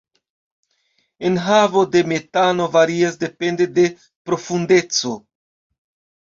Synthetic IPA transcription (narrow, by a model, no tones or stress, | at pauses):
e̞nɦavo̞de̞me̞tano̞vaɾiasde̞pe̞nde̞de̞ | pɾo̞funde̞t͡so̞